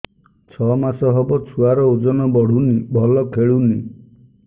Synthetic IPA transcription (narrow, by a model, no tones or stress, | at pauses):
t͡ʃʰɔmasɔɦɔbɔt͡ʃʰuaɾɔud͡ʒɔnɔbɔɽ̤unibʱɔlɔkʰeɭuni